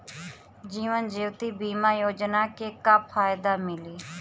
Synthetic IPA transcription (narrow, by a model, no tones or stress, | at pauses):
d͡ʒiːʋənd͡ʒiːwt̪iːbiːmaːjoːd͡ʒnaːkeːkapʰaːjd̪aːmɪliː